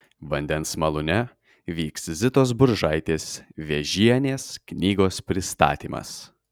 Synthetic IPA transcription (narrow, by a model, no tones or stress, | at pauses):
ʋɐnʲd̪ʲɛnsmɐlˠʊnʲɛ | ʋʲiːkszʲɪt̪oːs̬bʊɾʒɐɪt̪ʲeːsʋʲeʒʲiɛnʲeːsknʲiːɡoːspʲɾʲɪst̪ɑ̰ːt̪ʲiːmɐ̰s